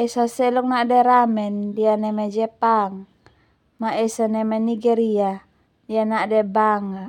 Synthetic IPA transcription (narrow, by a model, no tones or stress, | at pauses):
ɛsasɛlɔk̚naʔdɛɾamɛndianɛmɛd͡ʒɛpaŋ | maɛsanɛmɛniɡɛɾia | dianaʔdɛbaŋa